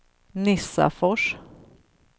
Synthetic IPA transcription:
nɪsa̰fɔʂ

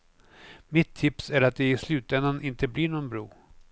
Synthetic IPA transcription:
mɪt̪ʰːɪpsæɾat̪̚d̪ɛɪslʉ̟ːt̪ɛnd̪anʔɪnt̪əblɪɳɔnbɾṵː

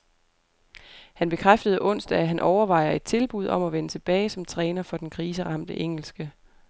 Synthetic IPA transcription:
hænb̥e̝kʰʁafd̥əð̞̩ˠʔɔ̽n̰sd̥æɦænʔɒʊɐʋɑ̈ɪ̰ɐe̝d̥̚t͡sʰe̝lb̥uð̞̰ˠɒ̽mæʋenət͡sʰe̝b̥ɛːɪsɒ̽mt͡sʰʁɛːnɐfɒ̽d̥enkʰʁiːs̬əʁɑ̈m̰d̥əʔeŋ̰l̩sɡ̥ə

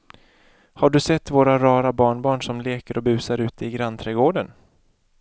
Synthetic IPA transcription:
haɖɵsɛt̪ːvoːɾaɾɑːɾabɑːɳbɑːɳʂɔmleːkəɾɔbʉ̟ːsaɾʉ̟ːt̪ɪɡɾant̪ʰɾɛɡoːɖən

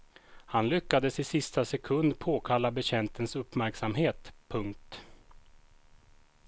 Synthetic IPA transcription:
hanlʏkːad̪əsɪsɪst̪asɛkʰɵnd̪pʰoːkʰalːabɛɕɛnt̪ənsɵpːmæɾksamɦeːt̪pʰɵŋk̚t̪

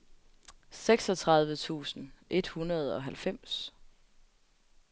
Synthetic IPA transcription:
seɡ̥sɒ̽t͡sʰʁɑ̈ð̞ˠʋət͡sʰṵːsn̩ʔe̝d̥hunɐð̞ˠɒ̽ɦælfem̰s

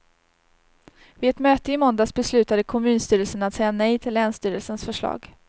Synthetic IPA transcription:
vɪːɛt̪møːt̪əɪmɔnd̪asbɛslʉ̟ːt̪ad̪əkʰɔmʉ̟ːnst̪yːɾəlsənat̪sɛjːanɛjt̪ʰɪlːɛːnst̪yːɾəlsənsfœʂɭɑ̰ːɡ

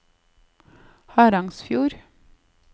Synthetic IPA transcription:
hɑːɾɑŋsfjuːɾ

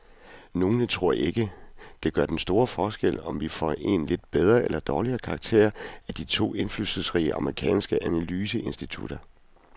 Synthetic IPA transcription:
no̝ːnət͡sʰʁo̝ɐ̰e̝ɡ̥əd̥e̝ɡ̥ɶɐ̰d̥ensd̥o̝ːɐfɒːsɡ̥el̰ɒ̽mʋifɒ̰e̝nle̝d̥b̥eð̞ˠʁɐelɐd̥ɒːliɐːkʰɑ̈ɡ̥̚t͡sʰe̝̰ːɐæd̥it͡sʰo̝̰ːe̝nflylsð̩ˠsʁḭːəʔɑ̈məʁikʰɛ̰ːnsɡ̥əʔænælyːsəe̝nsd̥it͡sʰṵd̥ɐ

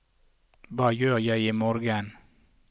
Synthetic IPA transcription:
bɑːjøːjæɪɪmɔɾɡən

